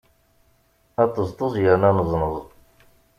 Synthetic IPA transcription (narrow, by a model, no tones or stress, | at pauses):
æt̪ːəzt̪ˤəzˤjənænəzˤnəzˤ